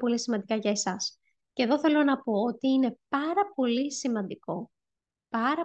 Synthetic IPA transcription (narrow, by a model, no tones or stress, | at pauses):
po̞lisimɐnd̪ikɐʝɐesɐs | ce̞ðo̞θe̞lo̞nɐpo̞ot̪iine̞pɐɾɐpo̞lisimɐnd̪iko̞ | pɐɾɐ